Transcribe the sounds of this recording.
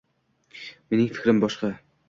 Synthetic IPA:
menɪŋfɪ̥kʲɾɪmbɒʃqɑ

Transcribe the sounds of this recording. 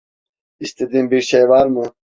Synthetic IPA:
ist̪ed̪imbikɕejwaːɾmu

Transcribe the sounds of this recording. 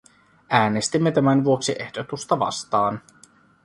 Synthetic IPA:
ʔæːne̞st̪imːe̞t̪æmænʋuo̞ksiʔe̞hdo̞t̪ust̪ɑʋɑ̰st̪ɑːn

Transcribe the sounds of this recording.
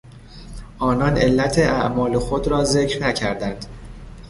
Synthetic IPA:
ʔɒːnɒːne̞lːæt̪ʰeʔæʔmɒːle̞xo̞d̪ɾɒːze̞cɾnæcʰæɾd̪ænd̪̥

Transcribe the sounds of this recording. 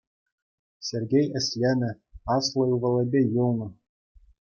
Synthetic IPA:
sʲerʲɡʲejɘ̆sʲlʲænʲɘ̆ | ɑslˠɤjuvɤ̆lˠɤ̆bʲejɤlˠnɤ̆

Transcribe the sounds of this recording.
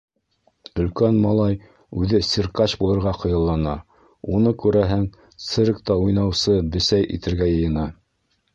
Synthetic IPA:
ɵ̆lkænmɑlˠɑj | ʉðɘsʲirkɑɕbulˠɤ̆ɾʁɑqɤ̆jɤ̆lˠːɑnɑ | unɤkʉɾæɦɘŋ | t̪sɘɾkt̪ɑujnɑwsɤbɘ̆sæjʔḭt̪ɘ̆ɾɡæjɤ̆jɤ̆nɑ

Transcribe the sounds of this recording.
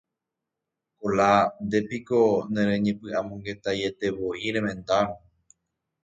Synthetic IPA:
koland̪e̞piko̞nẽɾẽɲẽpɨʔamõŋɡe̞t̪aje̞t̪e̞ʋo̞iɾẽ̞mẽ̞nd̪aɾ̃õ

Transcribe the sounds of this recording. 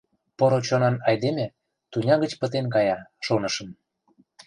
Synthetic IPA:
poɾot͡ɕonɑnɑjd̪emʲĕ | t̪unʲɑɣət͡ɕpə̆t̪enk̬ɑjɑʃonə̆ʃə̆m

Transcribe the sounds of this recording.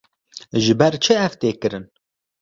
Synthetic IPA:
ʒɨbɛɾt͡ʃʰɨɛvt̪eːkɨɾɨn

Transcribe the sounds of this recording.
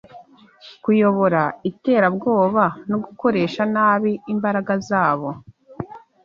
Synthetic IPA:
kujo̞βo̞ɾaite̞ːɾabɡo̞ːβanoɡuko̞ɾe̞ːʃanaːβiːmbaɾaɡazaːβo̞

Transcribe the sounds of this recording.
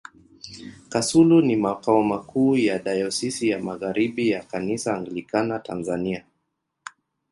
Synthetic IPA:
kasulunimakaɔmakuːjaɗajɔsisijamaɣaɾiɓijakanisaːŋɡilikanata̰nzania

